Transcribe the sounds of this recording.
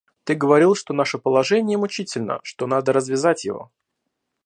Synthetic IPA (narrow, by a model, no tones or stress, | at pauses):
t̪ɨɡəvɐɾʲilˠʂt̪o̞naʂəpəlˠɐʐɛnʲɪjəmʊt͡ɕitʲɪlʲnə̰ʂt̪o̞nad̪əɾəzvʲɪzatʲjɪ̰vo̞̰